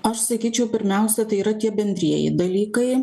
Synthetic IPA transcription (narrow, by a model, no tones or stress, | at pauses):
ɐʃsɐkʲiːt͡ʃʲɛʊpʲɪɾʲmʲæˑʊsʲɛt̪ɐɪiːɾɐt̪ʲiɛbʲɛnʲd̪ʲɾʲiɛjɪ̰d̪ɐlʲiːkɐɪ